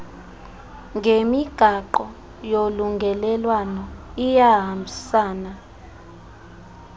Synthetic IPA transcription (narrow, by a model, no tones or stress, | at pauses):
ŋɡʱemiɡ̥ʱaǃɔ | joluŋɡʱɛlɛlwanɔijaɦambʱisaːna